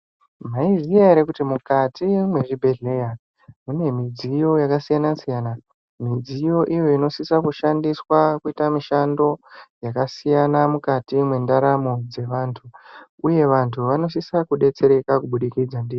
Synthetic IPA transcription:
maiziaɾekutimukatʰimwe̞ʐibʱe̞ɮe̞ja | mune̞mid͡zijo̞jakasijanasijana | mid͡zijo̞ʔijo̞ino̞sisakuʃandiswakuitamiʃando̞jakasijanamukatimwendaɾamod͡ze̞ʋaːntʰuuje̞ʋantʰuʋano̞s̬isakuɗe̞t͡se̞ɾe̞kakuɓuɗikid͡zandiːri

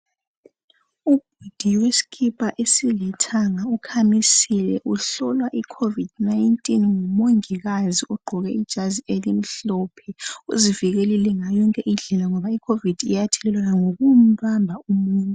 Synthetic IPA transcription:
ub̥̚ʱud̥ʱiwesi̥kʰipʼaʔesilɛtʰaŋaukʰamisilɛ̰ʔuɬɔlwaʔikʰovid̥najintʼinŋumoŋiɣaziɔɡ͡ǃʱɔɣɛid̥ʒ̥ʱazielim̩ɬɔːpʰɛṵziviɣelilɛŋajɔŋkʼɛʔiɮɛlaŋɔβaikʰovid̥ʱḭjatʰɛlɛlwanaŋoɣum̩βambʱaumuːntʼu

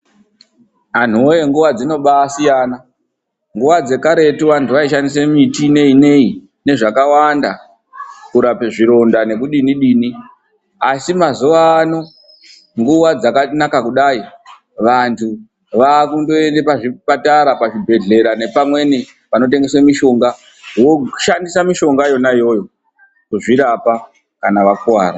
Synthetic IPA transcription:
an̤uojeŋɡuʋad͡zino̞ɓaːsijana | ŋɡuʋad͡ze̞kaɾe̞tuʋantʰuʋaiʃandis̬emitine̞ine̞i | ne̞ʐakawanda | kuɾapeʐiɾo̞ndane̞kuɗiniɗiːni | asimazuʋaːno̞ | ŋɡuʋad͡zakanakakuɗai | ʋantʰu | ʋakundo̞e̞nde̞paʐipataɾapaʐibʱe̞ɮe̞ɾane̞pamwe̞ni | ʋano̞t̬e̞ŋɡe̞swemiʃo̞ŋɡa | woʃandisamiʃo̞ŋɡajo̞najo̞ːjo̞ | kuʐiɾapa | kanaʋakwaːɾa

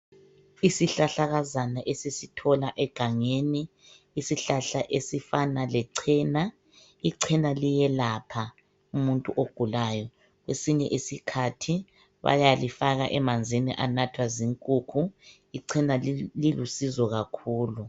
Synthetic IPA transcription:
isiɬaɬaɣazanaʔesisitʰɔlaʔɛɡ̥ʱaŋeniː | siɬaɬaʔesifanalɛǀʰiːna | iǀʰinalijɛlapʰa | umuntʼuʔoɡ̥ʱulajɔ | ɣwesiɲɛ̰ʔisikʰatʰi | βa̰jalifaɣaʔɛmand͡zʱinḭʔanatʰwaziŋkʼukʰu | iǀʰinalilusizɔɣakʰuːlu

